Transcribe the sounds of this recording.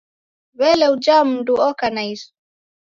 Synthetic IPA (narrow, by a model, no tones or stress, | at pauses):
βɛlɛud͡ʒam̩nduɔkanais